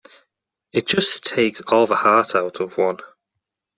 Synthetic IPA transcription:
ɪt̚d̥ʒ̥ʌstʰeɪksɔːlˠvəhɑˑtʰaʊtʰəvwʌ̃n

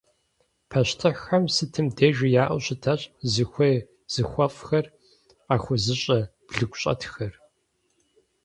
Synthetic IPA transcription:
pʰɐɕtʰɨħɐmsɨtʰɨmdeːʒɪjaːʔʊɕɪtʰɐɕʼzɨxʷeː | z̥ɨxʷɐfʼxɐr | aːxʷʊzɨɕʼɐb̥ɮɨkʷɕʼɐ̰tʰxɐr

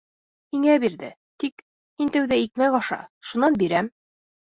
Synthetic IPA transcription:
hiŋæbiɾðɘ̰ | t̪ik | hint̪æwðæik̚mæjɑʃɑ̰ʃunɑnbiɾæm

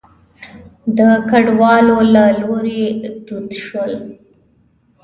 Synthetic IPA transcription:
d̪əkaɖwɑlolaloɾed̪ud̪ʃwəl

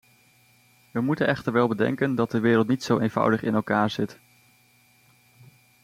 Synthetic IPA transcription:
ʋəmutənɛχtəɹʋɛlˠbədɛ̰ŋkəndɑt̚dəʋɪːɾəlˠtnitsowʔejnv̥ʌ̰wdəχɪ̰nɛlˠkaːɹz̥ɪt

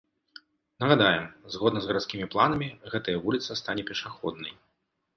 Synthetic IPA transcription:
nɐɣɐd̪ajɛmzɣɔd̪nɐzɣɐɾat̪skʲimʲiplˠanɐmʲiɣɛt̪ɐjɐvulʲit̪sɐst̪anʲɛpʲɛʂaxɔd̪̚nɐj

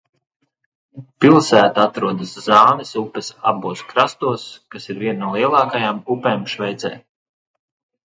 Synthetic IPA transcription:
pilˠsæːt̪aat̪ɾuɔd̪aszɑːnɛsupːɛsa̰buɔskɾast̪uɔskasiɾvʲiɛnnuɔlˠiɛlˠɑːkajaːmupeːmʃvɛjt̪sɛ̰ː

